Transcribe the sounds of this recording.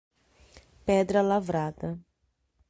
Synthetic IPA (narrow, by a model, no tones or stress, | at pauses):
pɛd̪ɾɐlavɾad̪ɐ